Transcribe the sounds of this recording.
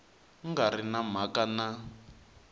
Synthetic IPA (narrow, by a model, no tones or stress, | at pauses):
ŋɡaɾinam̤akana